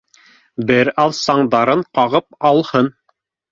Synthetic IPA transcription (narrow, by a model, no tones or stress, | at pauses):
bɘɾɑlˠsɑɴd̪ɑɾɤɴqɑʁɤp̚ɑlˠhɤn